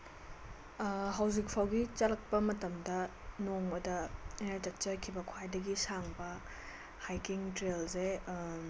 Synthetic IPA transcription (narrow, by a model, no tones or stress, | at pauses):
ɦɐwzik̚pʰawɡit͡ʃɐlɐk̚pɐmɐtɐmdɐnoŋbɐdɐnatɐk̚t͡ʃɐkʰibɐkʰwajdɐɡisaŋbɐ | hajkiŋtɾelse